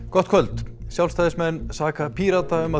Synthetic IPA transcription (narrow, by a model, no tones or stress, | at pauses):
kɔht̪kʰvœlt̪sjawlst̪ajðɪsmɛnːsaːkapʰiːɾat̪aʏma